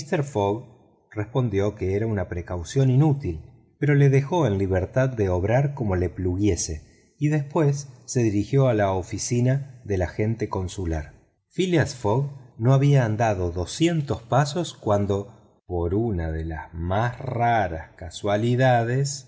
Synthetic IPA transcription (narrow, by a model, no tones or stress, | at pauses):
ist̪eɾfoɣ | respo̞nd̪jo̞ke̞eɾaunapɾe̞kawsjo̞ninut̪il | peɾo̞le̞ðe̞xo̞e̞nliβeɾt̪ad̪ːe̞oβɾaɾko̞mo̞le̞pluɣje̞se̞ | iðe̞spwe̞sːe̞ðiɾixjo̞alaofisinaðe̞laxe̞nt̪eko̞nsulaɾ | filiasfoɣno̞aβiaːnd̪aðo̞ðo̞sje̞nt̪o̞spaso̞skwand̪o̞ | po̞ɾunaðe̞lasmasraɾaskaswaliðaðes